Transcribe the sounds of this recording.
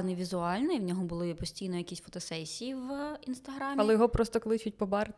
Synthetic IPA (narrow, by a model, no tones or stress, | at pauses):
nɪʋʲizʊɑlʲnɛiwnʲɔɦɔbʊlˠɪpɔsʲtʲijnɔjɐkʲisʲfɔt̪ɔsɛsʲijiwinst̪ɐɦɾɑmʲɐlˠɛjɔɦɔpɾɔst̪ɔklˠɪt͡ʃʊt̚ʲpɔbɑrt̪